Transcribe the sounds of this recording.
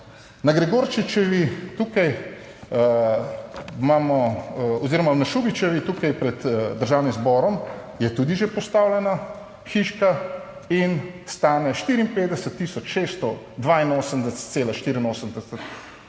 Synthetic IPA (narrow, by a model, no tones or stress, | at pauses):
naɡɾɛɡoɾt͡ʃit͡ʃɛʋit̪uːkaj | mamɔoziɾɔmanaʃuːbit͡ʃɛʋit̪uːkajpɾɛd̪d̪əɾʒaːwnimzbɔɾɔm | jɛt̪ud̪iʒepɔst̪aːwlʲjɛna | xiʃka | inst̪aːnɛʃt̪iːɾimpeːd̪ɛsət̪ːiːsɔt͡ʃʃest̪ɔ | d̪ʋainoːsəmd̪ɛsɛ̥t̪t̪seːlaʃt̪iɾinoːsəmd̪ɛsət̪